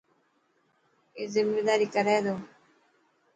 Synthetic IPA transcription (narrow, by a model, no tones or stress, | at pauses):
eːzɪmːeːd̪aːɾiːkəɾɛːd̪oː